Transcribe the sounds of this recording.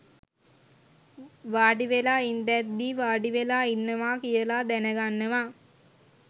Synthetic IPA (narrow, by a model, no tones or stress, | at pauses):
ʋaːɖiʋelaind̪ɛt̪ːiʋaːɖiʋelainːəʋakijəlad̪ænəɡanːəʋa